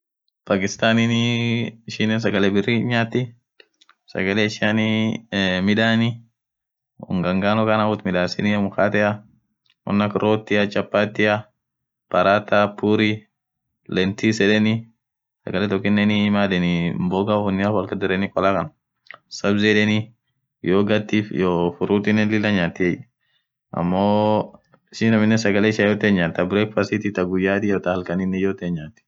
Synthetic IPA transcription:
paːkʼɪst̪aːnin | ɪʃɪnːɛns̬ɐɡɐlɛbɪrːiɲaːt̪ːɪ | sɐ̰ɡɐlɛɪʃɪanɪ | mɪᶑaːnɪ | ʊ̰ŋɡɐŋɡaːnɔkɐnabʊt̪mɪᶑaːsɪnɪmʊkaːt̪ɛɐ | wɔ̰nːɐkɾoːt̪ːɪɐt͡ʃʼɐpːaːt̪ːɪɐ | pɐɾaːt̪apuɾi | lɛnt̪isɛᶑɛnɪ | sɐ̰ɡɐlɛt̪ɔkːɪnːɛnimaːdɛnɪmboːɡafʊnːɪafwɐlkɐd̪ɪɾɛnɪkʼɔlakɐn | sɐbzɛᶑɛni | joːɡɐt̪ːifjoːfʊɾuːt̪ɪnɛlɪlːɐɲaːt̪ːɪɛj | ʔɐ̰mːoː | ɪsɪnɐmɪnːɛsɐɡɐlɛʃɐjot̪eɲːaːt̪ːɐbɾɛkfɐsɪt̪ɪt̪ɐɡʊjːaːt̪ɪjot̪ɐhɐlkɐnɪnːɛjoːt̪eɲːaːt̪ːɪ̥

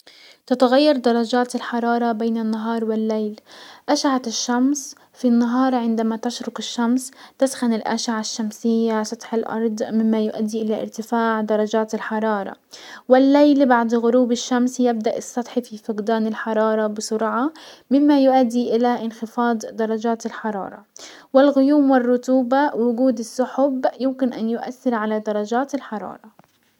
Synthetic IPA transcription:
t̪at̪aɣajːɑɾˤd̪ɑrˤːɑd͡ʒaːt̪ɪlħɑɾˤɑːɾˤɑbeːnɪnːaɦɑːɾˤwɪlːejlʔaʃʕaʃːams | finːaɦɑːɾˤʕɪnd̪amat̪aʃɾʊkɪʃːamst̪asxanɪlʔa̰ʃʕaʃːamsɪjːasˤɑt̪ˤħɪlʔɑ̰ɾˤd̪ˤmɪmːajʊʔa̰d̪ːiʔɪlaʔɪ̰ɾt̪ɪfaːʕd̪ɑɾˤːɑd͡ʒaːt̪ɪlħɑɾˤɑːɾˤɑ̰ | wɪlːajlbaʕd̪ɣʊɾuːbɪʃːamsjɪb̚d̪aʔɪsˤːɑt̪ˤħififɪqd̪aːnɪlħɑɾˤɑːɾˤɑbɪsʊɾʕɑmɪmːajʊʔad̪ːiʔɪlaʔɪnxɪfɑːd̪ˤd̪ɑɾˤɑd͡ʒaːt̪ɪlħɑɾˤɑ̰ːɾˤɑ̰wɪlɣʊjuːmwɪrˤːʊt̪uːbawʊɡuːd̪ɪsːʊħʊbjʊmkɪnʔanjʊʔa̰θːɪɾʕalad̪ɑɾˤɑd͡ʒaːt̪ɪlħɑɾˤɑ̰ːɾˤɑ

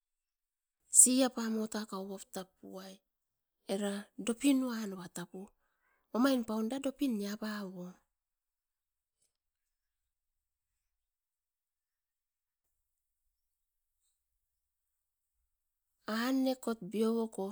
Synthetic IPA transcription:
siapamo̞takawβaptap̚ṵaj | e̞ɾado̞pinuanoβatapu | omajnpawndado̞piniabawo | anːe̞ko̞t̚bio̞woko̞

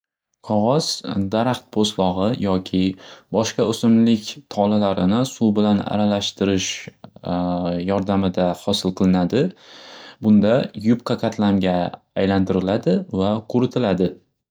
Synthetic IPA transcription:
qʰɒʁɒz̥d̪aɾaχt̪̚pʰoslɒʁɨjʔɒkʲʰɪbɒʃqɑɵsɪmlɪkʲt̪ʰɒlalaɾɪnɪsubɪlana̰ɾalaʃt̪ɪɾɪʃ | jɒɾd̪amɪd̪ahɒsɪlˠqʰɨlˠɪnad̪ɪ | bʊnd̪ajʊp̚qʰɑqʰɑt̪ʰlamɡʲaː | jlant̪ʰɪɾɪlad̪ɪvaqʰʊɾɪt̪ʰɪlad̪ɪ

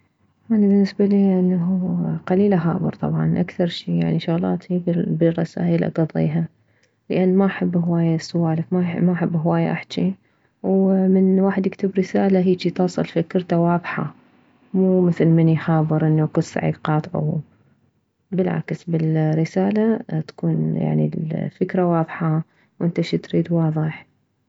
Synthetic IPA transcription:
ʔanibɪnːɪsbaliːʔɪnːaɦuqaliːlʔaɦɑ̰ːbɨ̰ɾˤt̪ˤɑ̰bʕɑ̰nʔakθɑɾˤʃiːja̰ʕniʃʊɣlɑ̰ːt̪ibbirˤɑ̰sa̰ːʔilʔa̰ɡɑðˤḭːɦa | ləʔanːmaʔħabːhwaːjasʊwaːlakmamaʔħabːɦwaːja̰ʔaħt͡ʃi | wmɪnwaːħɪd̪jɪkt̪ɪbɾɪsaːlaɦiːt͡ʃit̪ɑːsˤɑ̰lfikɪɾt̪awɑːðˤħa̰ | muːmɪθlmɪniħɑːbˤːɨɾˤʔɪnːakʊt̪sa̰ʕḭːɡqɑːt̪ˤʕṵ | bɪlʕa̰ksbɪlɾɪsaːlat̪ḁkuːnja̰ʕnḭlfɪkɾawɑːðˤħɑ | wʔɪnt̪aʃit̪ɾiːd̪wɑːðˤɨħ

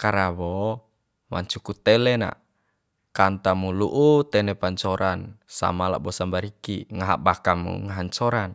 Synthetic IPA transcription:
kaɾawɔ | ma̰ɲt͡ʃukut̪ɛlɛna̰ | kant̪amuluʔut̪ɛnɛpaɲt͡ʃɔɾansa̰mala̰ʔbɔsambaɾikiŋaɦaʔ̚bakamṵŋaɦaɲt͡ʃɔɾan

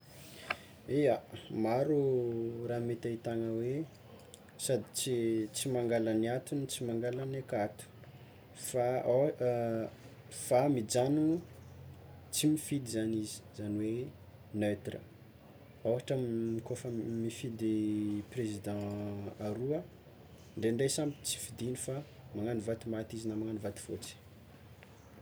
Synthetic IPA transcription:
eamaɾuɾaːmet̪ait̪aŋəwe | sad̪it͡sit͡simaŋɡalaniat̪unit͡simaŋɡalanekat̪u̥ | faa | famid͡zanu | t͡simifid̪izanizi̥z̥aniwe | nøt̪rə̰ | oɦaʈ͡ʂəmmikofəmifid̪eprezid̪ɑ̃aɾuə | ɳɖ͡ʐeɳɖ͡ʐejsambit͡si̥fid̪inifa | maŋanivat̪umat̪izinamaŋanivat̪u̥fo̰t͡si̥

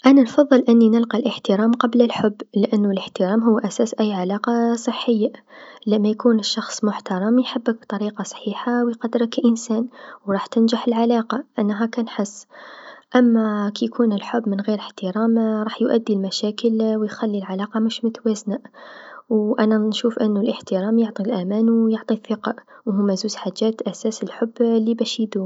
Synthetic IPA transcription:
ʔænanfɑðˤːɨlʔɪnːinɪlqɑlʔəħt̪əɾɑːmqɑbləlħʊbːlʔanːʊləħt̪əɾɑːmɦʊwːʔæsæːsʔæjːʕalɑːqɑsˤəħːəjːalæmːajkuːnɪʃːɑxsˤmʊħt̪ɑɾˤɑmjħabːək̚bt̪ˤɑɾiːqɑsˤħiːħawjqɑd̪ːɾɪkʔɪnsæːnwɾˤɑːħt̪ɪnʒaħəlʕalaːqɑʔanːɦakænħɪsːʔamːakijkʰuːnɪlħʊbːmɪnɣeːɾəħt̪əɾˤɑːmɾˤɑːħjʔad̪ːilmaʃæːkəlwjxalːilʕalɑːqɑmʊʃmʊt̪waːzna | wʔananʃuːfʔɪnːʊlʔəħt̪ɪɾˤɑːmjʊʕt̪ˤilʔamaːnwjʊʕt̪ˤiθːɪqɑʔwhʊmːazuːzħaʒːæːt̪ʔasæːsɪlħʊbːlːibæʃid̪u

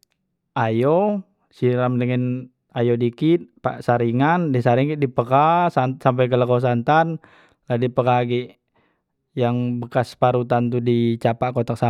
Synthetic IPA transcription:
ʔajo | siɾamdəŋən | ajodikit̪̚pa̰ʔsaɾiŋandɛsaɾiŋkidipəkasasamp̬ajkələkos̬ant̪an | ladipəkaɡiʔ | jaŋbəkaspaɾut̪ant̪udit͡ʃapaʔkot̪ak̚sa

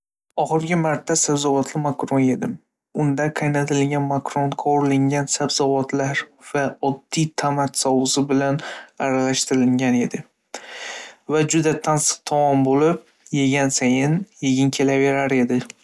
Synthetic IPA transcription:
ɒχɨɾɡʲɪmaɾt̪ʰːasabzɒvɒt̪ʰlɪmakɾone̞d̪ɪm | ʊnd̪aqʰɑjnat̪ʰɪlɪŋɡʲanmakɾonqʰɒɾlɪŋʲansabzɒvɒt̪ʰlaɾvaɒd̪ːijt̪ʰamat̪sɒwɨsɪbɪlanaɾalaʃt̪ɪɾɪlɪŋɡʲane̞d̪ɪ | vad͡ʒʊd̪at̪ʰansɨ̥q̚t̪ʰɒmɒmbolɪp̚ | je̞ɡʲansajɪnjeɡʲɪŋkʲʰe̞lave̞ɾaɾe̞d̪ɪ

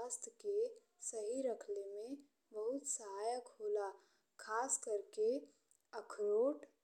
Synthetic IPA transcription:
ast̪ʰke | səɦiɾəkʰlemẽ | bəɦʊt̪səɦaːjəkɦoːla | kʰaːskəɾke | əkʰɾoːʈ

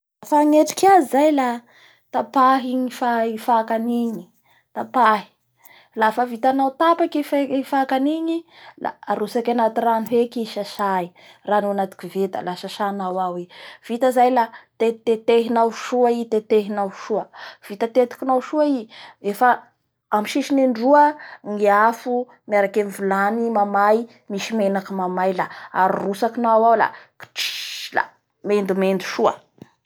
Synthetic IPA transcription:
afaŋeʈ͡ʂi̥kazizajla | t̪apaɦiɲifaifakaniɲi̥ | t̪apaɦi̥ | lafəvit̪anawt̪apakififakaniɲila̰aɾusakanat̪iranuɦekiʃaʃai | ranuanat̪i̥kivet̪a̰laʃaʃanawawev̥it̪əzajlat̪et̪et̪eɦinawʃuait̪et̪eɦinawʃuəv̥it̪ət̪et̪i̥kinawʃuaiefa | amiʃiʃineɳɖ͡ʐuəŋeafu | miaɾakenivulanimamaj | misimenakimamajlaa̰ɾirusakinaawawla̰ki̥ʈ͡ʂi̥la̰ | mend̪umend̪u̥ʃuə̰

